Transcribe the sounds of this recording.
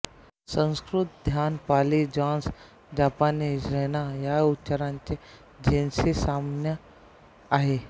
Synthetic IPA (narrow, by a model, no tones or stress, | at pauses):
sə̃nskɾʊt̪̚d̪ʱjaːnpaːlid͡ʒãːns | d͡ʒaːpaːnesɾeːnajaʊtːt͡ʃəɾãːnt͡ʃe | d͡ʒʱeːnsesaːmnjə | aːɦe